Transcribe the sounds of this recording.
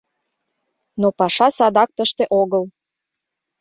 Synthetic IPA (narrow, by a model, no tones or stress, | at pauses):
nopɑʃɑsɑd̪ɑk̚t̪əʃt̪eʔoɣəl